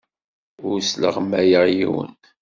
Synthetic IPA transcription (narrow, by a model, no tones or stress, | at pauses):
ʊɾslə̰ʁmæjəʁjiwə̰n